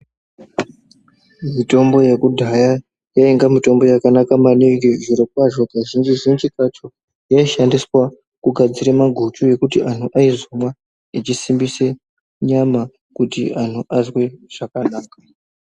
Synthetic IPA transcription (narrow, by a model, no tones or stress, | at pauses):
mito̞mbo̞jekudʱaja | jaiŋɡamito̞mbo̞jakanakamaneŋɡiʐiɾokwaʐo̞ɡaʒind͡ʒiʐint͡ʃikat͡ʃo | jaiʃandiswa | kuɡʱad͡ziɾemaɡʱut͡ʃuje̞kutiʔan̤uʔaizomwa | it͡ʃisimbise | ɲama | kutian̤uʔazwe̞ʐ̥akanaːka